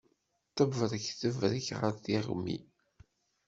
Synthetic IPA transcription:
t̪ːəvəɾˤəçθəvɾəçʁə̰ɾθiʁ̰mːḭ

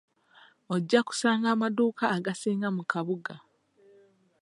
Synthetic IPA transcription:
oɟːaku̥saːŋɡaːmaduːkaːɡasiːŋɡamukaβuɡa

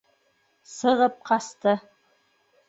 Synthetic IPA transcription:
sɤ̆ʁɤp̚qɑst̪ɤ

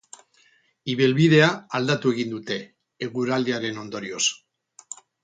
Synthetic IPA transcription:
iβelβið̞e̞aald̪at̪ue̞ɣind̪ut̪e̞ː | ɣuɾald̪iaɾe̞no̞nd̪o̞ɾio̞s

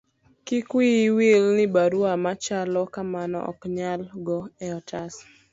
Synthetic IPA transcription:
kɪkwiwilnɪbaɾwamat͡ʃalɔkamanɔ̰ʔɔ̰kɲalɡɔɛɔtas

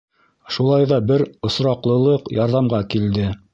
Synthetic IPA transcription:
ʃulˠɑjðɑbɘɾŏsɾɑqlˠɤ̆lˠɤqjɑɾðɑmɢɑkild̪ɘ

